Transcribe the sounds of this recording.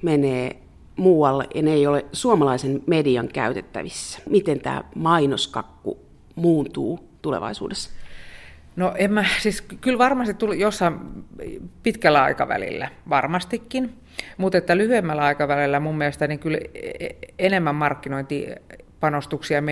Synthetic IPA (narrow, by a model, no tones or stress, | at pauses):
meneː | muːwɑlːḛʔjɑneeijolesuomɑlɑisenmediɑŋkæ̰yt̪et̪ːæ̰ʋisːæ̥mit̪ent̪æ̰ːmɑinoskɑkːṵ | muːnt̪uː | t̪ulḛʋɑ̰isṵːdesː | noʔemːæsiskylʋɑrmɑst̪it̪uljosːɑm | pit̪kælːæɑ̰ikɑʋæ̰lḭlːæʋɑrmɑst̪ikːin | mut̪et̪ːælyhyemːælːæɑikɑʋælelːæmumːielest̪æniŋkyl | enemːæmmɑrkːinoint̪ipɑnost̪uksiɑm